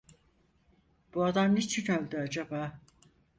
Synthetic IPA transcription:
b̥uad̪amnet͡ʃʰinølʲd̪yad͡ʒabaː

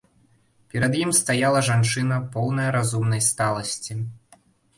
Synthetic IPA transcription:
pʲɛɾɐd̪jimst̪ajalˠɐʐant͡ʂɨnɐpɔwnɐjɐɾazumnɐjst̪alˠɐsʲt͡sʲi

